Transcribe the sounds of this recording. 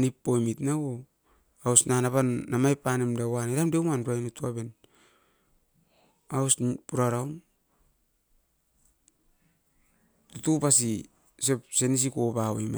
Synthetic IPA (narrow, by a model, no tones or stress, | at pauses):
nipːojmitnawo | awsnanaβanːamajpːanemdawaneɾamdewmanɾuajnutuaben | awspuɾaɾawm | tutupasi | sepsenis̬ikopawajma̰